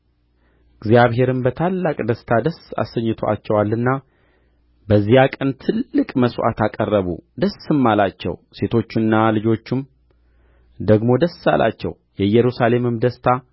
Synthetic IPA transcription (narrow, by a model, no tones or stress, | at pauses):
ɨɡzjaβɦe̞ɾɨmbət̪ʰalːakʼd̪əst̪ʰad̪əsa̰səɲːɨt̪ʰoa̰t͡ʃːɛwalːɨnːa | bəzːijakʼənt̪ʰɨlːɨkʼməswa̰t̪akʼərːəβṵd̪əsɨmːalat͡ʃːɛ̰wse̞t̪ʰo̞t͡ʃːɪnːalɨd͡ʒo̞t͡ʃːɪm | d̪əɡmo̞d̪əsa̰lʔa̰t͡ʃːɛ̰w | jɛjɛɾusale̞mɨmd̪əst̪ʰa